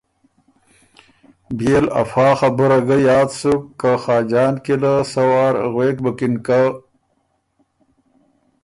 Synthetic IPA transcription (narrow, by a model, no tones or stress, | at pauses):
bjela̰fɑːxabuɾaɡajɑːd̪sukːaxɑːd͡ʑɑːnkilasawɑːɾɣweːkbəkinka